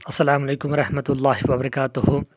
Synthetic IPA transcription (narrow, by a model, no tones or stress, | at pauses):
ʔɑsˤːɑlaːmalejkʊmwɑɾˤɑħmat̪lˤːɑːhɪwɐbɐɾˤɑkaːt̪ʊhʊ